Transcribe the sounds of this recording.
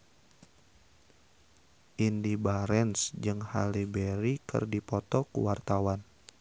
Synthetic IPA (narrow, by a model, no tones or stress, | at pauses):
ʔindibaɾɛnsd͡ʒɨŋha̰libɛɾikɨ̰rdipɔt̪ɔkṵwart̪awan